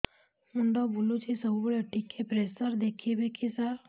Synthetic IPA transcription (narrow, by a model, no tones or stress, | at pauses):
muɳɖɔbulut͡ʃisəbbɭəʈikʰːepɾesəɾd̪ekʰibekʰisaɾ